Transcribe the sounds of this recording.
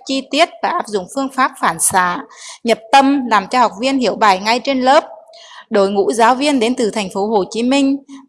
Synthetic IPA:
t͡ɕi˧t̪i˦˥ət̚vaː˨˩ʔaː˦˥p̚zʊ̰˧˨ŋ͡mfɨ˧əŋfaː˦˥p̚faː˧˩nsa̰ː˧˩˨ɲə˨˩p̚t̪ə˧mlaː˨˩mt͡ɕɔ˧ha˨˩wk͡p̚vi˧ənɦi˧˩əwɓaː˧˩jŋa˧jt͡ɕe˧nlə˦˥p̚ | ɗo˧˩jŋṵ˧˥zaː˨˦wvi˧ənɗe˨˦nt̪ɨ˨˩t̪ʰa˨˩jŋ̟fo˨˦ɦo˨˩t͡ɕi˨˦mï˧ŋ̟

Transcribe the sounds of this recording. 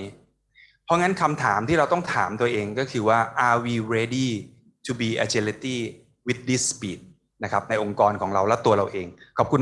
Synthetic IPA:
pʰɔ˦˥ŋa˦˥nkʰa˧mt̪ʰaː˩˦mt̪ʰiː˥˩ɾa˧wt̪ɔ˥˩ŋt̪ʰaː˩˦mt̪u˧ɐʔeː˧ŋkɔː˥˩kʰɯː˧waː˥˩ʔaː˧wiː˧ɾeː˧diː˥˩ | t̪ʰu˧biː˧ʔa˧t͡ɕe˧li˦˥t̪iː˥˩ | wi˦˥t̪̚di˦˥spiː˨˩t̪̚ | na˦˥kʰa˦˥p̚na˧jʔo˧ŋkɔː˧nkʰɔː˩˦ŋɾa˧wlɛ˦˥t̪u˧ɐɾa˧wʔeː˧ŋkʰɔː˨˩p̚kʰu˧n

